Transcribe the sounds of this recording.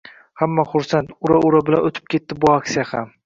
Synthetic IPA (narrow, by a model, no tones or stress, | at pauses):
hamːaχʊɾsant̪ʊɾaʔʊɾabɪlanot̪ʰɪ̥p̚kʲʰe̞t̪ːɪbʊaksijaham